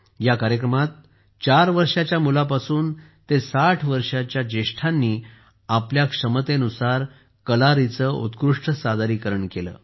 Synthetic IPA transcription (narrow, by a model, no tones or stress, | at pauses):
jakaɾjəkɾəmat̪̚ | t͡ɕaɾʋəɾʂat͡ɕjamulapasuːn | t̪esaʈʰʋəɾʂat͡ɕjad͡ʑeɕʈʰanːiː | apljakʂəmət̪enusaɾ | kəlaɾit͡səːṵt̪kɾuʂʈəsad̪ʱaɾiːkəɾəɳkelə̰ː